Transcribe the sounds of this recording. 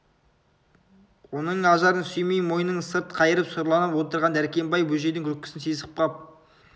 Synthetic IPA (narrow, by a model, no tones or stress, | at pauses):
wo̞nəɴɑʒɑɾənsɵjmejmo̞jənəɴsəɾt̪qʰɑjəɾəpsoɾlˠɑnəpwo̞t̪əɾʁɑnd̪æɾkʲe̞mbɑjbɵʒe̞d̪ɪŋkʰʲɵk̚ʲːɪ̥sɪnsizəp̚qʰɑp̚